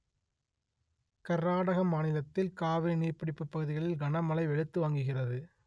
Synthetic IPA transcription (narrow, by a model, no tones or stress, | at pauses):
kɐɾːaːɽɐɣɐmaːnɪlɐt̪ːɪlkaːʋɪniːrpɐɽɪpːɯpːɐɣɯðɪɣɐɭɪlɡɐnɐmɐlɐɪʋɛɻɯt̪ːɯʋaːŋɡɯɣɪrɐðɯ